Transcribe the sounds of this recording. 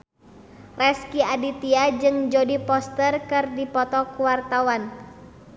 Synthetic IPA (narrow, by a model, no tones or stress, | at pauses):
rɛskiadit̪iad͡ʒɨŋd͡ʒodipɔst̪ərkɨrdipɔt̪ɔkuwart̪awan